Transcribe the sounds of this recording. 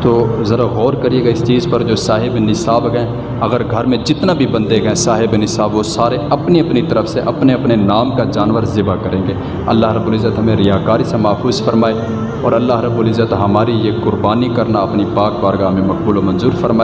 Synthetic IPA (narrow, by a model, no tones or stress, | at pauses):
t̪oːzɐɾaɣɔːɾkəɾieːɡaːɪst͡ʃiːzpɐɾd͡ʒoːsaːɦɪbnɪsaːbkɦɛ̃ː | ɐɣəɾɡʱɐɾmẽd͡ʒɪt̪nabʱibə̃nd̪ekɦɛ̃saːɦɪbnɪsaːbʋosaːɾeɐpniɐpnit̪əɾəfseʔɐpneɐpnenaːmkad͡ʒaːnʋəɾzɪbakəɾẽːɡeː | ɐ̰lːaːɦɾəbːuːlɪzːət̪ɦɐmẽɾɪjaːkaːɾisemaːfuːzfəɾmaːe | ɔːɾɐlːaːɦɾəbːuːlɪzːət̪ɦɐmaːɾijekʊɾbaːnikɐɾnaɐpnipaːk̚baːɾɡaɦɐmẽmɐk̚buːlomɐnzuːɾfəɾmaː